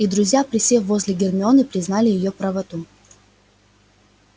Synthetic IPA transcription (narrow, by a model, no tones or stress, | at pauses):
id̪ɾʊzʲjapɾʲɪsʲevozʲlʲɪɡʲɪrmʲɪo̞nɨpɾʲɪznalʲɪjɪjopɾɐvɐt̪u